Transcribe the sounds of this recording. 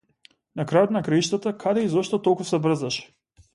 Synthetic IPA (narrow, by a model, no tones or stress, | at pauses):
nakɾajot̪nakɾaiʃt̪at̪akʰad̪ɛizɔʃt̪ɔt̪ɔlˠkusɛbr̩zaʃɛ̥